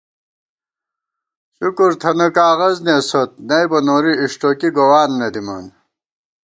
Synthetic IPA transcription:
ɕukuɾt̪ʰɐnɐkaːɣɐzneːsot̪̚nɐjbɐnoːɾiiʂʈoːkiɡowaːnːɐd̪imɐ̰n

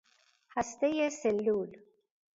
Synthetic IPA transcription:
hast̪ejeselːuːl

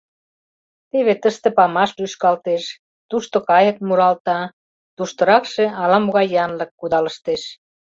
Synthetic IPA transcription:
t̪eβet̪əʃt̪ĕpɑmɑʃlyʃkɑlt̪eʃ | t̪uʃt̪okɑjə̆k̪̚muɾɑlt̪ɑ | t̪uʃt̪ə̆ɾɑkʃeɑlɑmoɣɑjːɑnlə̆kːud̪ɑləʃt̪eʃ

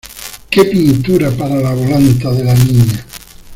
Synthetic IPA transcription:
kepint̪uɾapaɾalaβolant̪aðelaniɲa

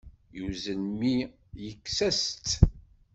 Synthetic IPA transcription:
juzənmi | jəkːsæst̪

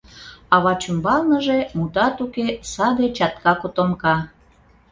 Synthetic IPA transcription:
ɑβɑt͡ɕumbɑlnəʒemut̪ɑt̪ukesɑd̪et͡ɕɑt̪kɑkot̪omkɑ

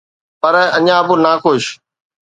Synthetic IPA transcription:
pəɾəɲãːbunaːkoʃ

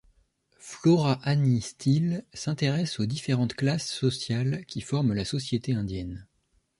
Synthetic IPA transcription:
flɔʁaʔanist̪ʰilsɛ̃t̪eʁɛsod̪ifeʁɑ̃t̪klasːɔsjalkʲifɔʁmlasɔsjet̪eɛ̃d̪jɛn

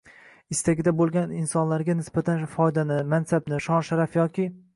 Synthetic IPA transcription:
ɪst̪aɡʲɪd̪abolˠɡʲanɪnsɒnlaɾɡʲanɪsbat̪ʰanfɒjd̪anɪmansabnɪʃɒnʃaɾafjɒkʲɪ

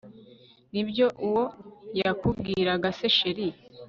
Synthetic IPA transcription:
nibjo̞ʔuwo̞jakub̚ɡiːɾaɡase̞ʃeɾi

